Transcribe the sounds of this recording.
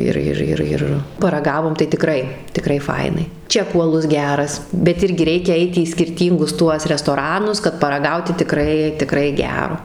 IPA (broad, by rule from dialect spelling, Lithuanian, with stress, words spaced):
ˈɪr ˈɪr ˈɪr ɪr pɐrɐˈɡɑːʋoːm tɐɪ tʲɪˈkrɐɪ tʲɪˈkrɐɪ ˈfɐɪnɐɪ ˈt͡ʃʲæːkuː ɐˈlˠʊs ˈɡʲæːrɐs bʲɛt ˈɪrʲɡʲɪ ˈrʲɛɪkʲɛ ˈɐɪt iː sʲkʲɪrʲˈtʲiːŋɡʊs ˈtuɔs rʲɛstoːˈrɑːnʊs kɐt pɐrɐˈɡɐʊtʲɪ tʲɪˈkrɐɪ tʲɪˈkrɐɪ ˈɡʲæːroː